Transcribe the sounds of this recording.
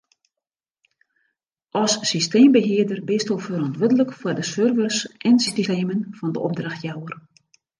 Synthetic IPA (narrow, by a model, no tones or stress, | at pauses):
ʔɔsːisteːmbəɦɪədərbɪstolˠfərɑntʋødələkfwərdəsørvərsʔɛnsisisteːmənfɔndəʔɔb̚draxtjawər